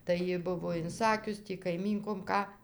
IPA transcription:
tɐɪ ˈjɪ ˈbʊʋoː ɪnˈsɑːkʲʊs ˈtʲiː kɐɪˈmʲiːŋkoːm ˈkɑː

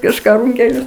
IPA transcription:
kɐʃˈkɑː ˈruːŋʲkʲɛlʲʊs

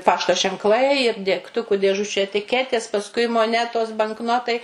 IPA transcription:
ˈpɑːʃtoː ʒʲɛŋkˈlˠɐɪ ɪr dʲɛkˈtʊkʊ dʲeːˈʒʊt͡ʃʲuː ɛtʲɪˈkʲæːtʲeːs pɐsˈkʊɪ moːˈnʲæːtoːs bɐŋkˈnoːtɐɪ

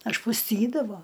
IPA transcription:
ɐʃpʊsʲˈtʲiːdɐʋoː

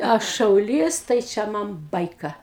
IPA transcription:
ˈɐʃ ʃɐʊˈlʲiːs tɐɪ ˈt͡ʃʲɛ ˈmɐn ˈbɐɪkɐ

